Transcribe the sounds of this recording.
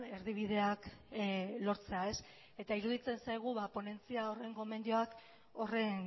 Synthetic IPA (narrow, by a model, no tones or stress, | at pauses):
e̞ɾðiβ̞ið̞e̞ak | lo̞ɾt͡seae̞s | e̞t̪aiɾuð̞it͡se̞nsajɣ̞uβapo̞ne̞nt͡siao̞re̞ŋɡo̞me̞nd̪io̞ak | o̞re̞n